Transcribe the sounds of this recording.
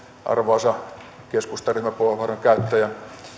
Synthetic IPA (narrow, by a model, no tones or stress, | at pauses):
ʔɑ̰rʋoɑsɑ | keskust̪ɑryhmæpolɑʋɑroŋkæyt̪ːæjæ